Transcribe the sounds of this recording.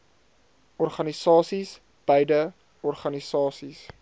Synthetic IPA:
ʔɔrχɐnisɑːsis | b̥əjdə | ɔrχɐnisɑːsis

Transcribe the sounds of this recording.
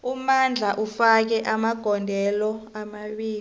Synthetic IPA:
umand͡ɮʱaʔufak̬ɛʔamaɡ̥ʱɔndʱɛlɔamaɓiːl

